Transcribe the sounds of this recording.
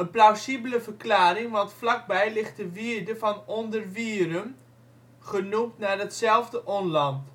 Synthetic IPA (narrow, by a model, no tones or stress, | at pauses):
ənplawsibələvərklaːɾɪŋʋɑntflɑk̚bɛjlɪχtəʋiərdəvɑnɔndərʋiəɾən | χənupnarətsɛlˠvdəʔɔnlɑnt